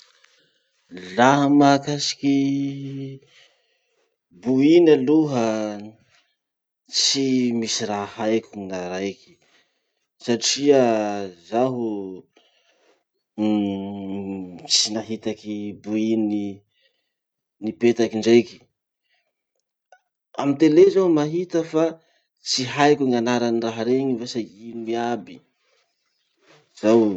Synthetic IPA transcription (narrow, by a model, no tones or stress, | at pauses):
laɦəmakasi̥ki | buinaluɦə | t͡simisirahajkʲunaɾajki̥ | saʈ͡ʂiəzaɦu | t͡sinaɦit̪akibuini | nipet̪akiɳɖ͡ʐejki̥ | amint̪elezaumaɦit̪əfa | t͡siɦajkuŋanaɾanraɦaɾeɲivesainimiabi | z̥aw